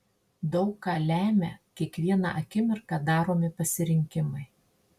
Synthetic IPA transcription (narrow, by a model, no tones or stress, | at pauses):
d̪ɒʊkkɑːlʲæːmʲɛ̰kʲiɛkʋʲiɛnɑ̰ʔɐkʲɪmʲɪɾkɑːd̪ɑːɾoːmʲɪpɐsʲɪɾʲɪŋʲkʲɪmɐɪ